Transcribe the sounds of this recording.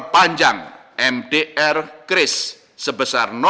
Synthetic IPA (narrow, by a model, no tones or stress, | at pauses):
paɲd͡ʒaŋʔɛmdeʔɛrkɾɪsː | əbəsarnɔ